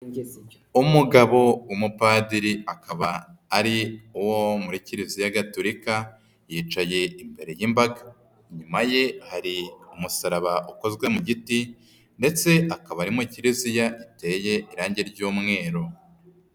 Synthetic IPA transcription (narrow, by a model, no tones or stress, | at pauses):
umuɡaβo̞wumupadiɾiakaβaːɾiuwomuɾiciɾizijaɡatoɾika | jiːt͡ʃaje̞imbe̞ɾe̞jimbaɡa | ɲumaje̞haɾiumusaɾaβaʔuko̞zɡwe̞muɟiti | nde̞t͡se̞akaβaɾimuciɾizijaite̞ːje̞ʔiɾaːɲɟeɾɟuːmŋe̞ːɾo̞